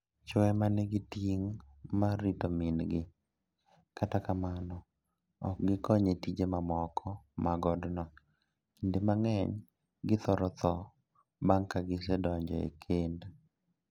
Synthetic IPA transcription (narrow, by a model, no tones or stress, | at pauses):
t͡ʃɔɛmanɛɡɪtiŋmaɾitɔminɡɪ | katakamanɔ | ɔ̰k̚ɡɪkɔɲetid͡ʒemamɔkʰɔmaɡɔdnɔ | indemaŋɛɲ | ɡɪt̪ɔɾɔt̪ɔ | baŋkaɡɪsɛdɔɲd͡ʒɔ̰ḛkʰend